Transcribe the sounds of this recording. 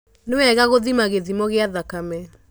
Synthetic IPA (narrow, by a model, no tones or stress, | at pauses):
newɛɣaɣoðimaɣeðimɔɣeaðakamɛ